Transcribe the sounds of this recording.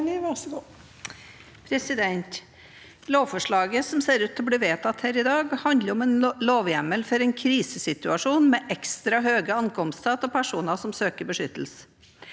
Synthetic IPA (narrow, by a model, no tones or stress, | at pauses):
nʋæʂɡuː | pʰɾɛsɪd̪ɛnt̪ | loːʋfɔʂɭɑːɡəsɔmseːɾʉːt̪ʰːɪlɔbliːʋeːt̪ɑt̪hæːɾɪd̪ɑːɡhɑnd̪ləɾɔmɛnloːʋjæməlfɔɾɛnkʰɾiːsəsɪt̪ʉɑʂuːnmɛːʔɛkst̪ɾɑɦøːɡəɑŋkʰɔmst̪ʰɑːt̪ɔpʰæʂuːnəsɔmsøːkəbəʂʏt̪əl̩sə̥